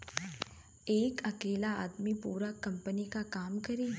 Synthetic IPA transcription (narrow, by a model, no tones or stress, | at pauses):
eːkɐkeːlaaːd̪mipuːɾəkːɐmpənikakaːmkəɾi